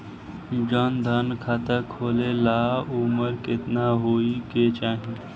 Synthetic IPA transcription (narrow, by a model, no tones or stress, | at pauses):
d͡ʒɔnd̪ʱənkʰat̪əkʰoːlelaːuməɾkɪt̪naɦoːiket͡ʃaːɦĩ